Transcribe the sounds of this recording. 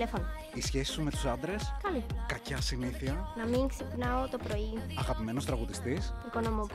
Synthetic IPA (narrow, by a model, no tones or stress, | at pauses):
lefono | isçe̞si̥sume̞t̪u̥sɐnd̪ɾe̞skɐlikɐcɐsiniθiɐnɐmiksipnɐot̪o̞pɾo̞iɐɣɐpime̞no̞st̪ɾɐɣut̪ist̪isiko̞no̞mo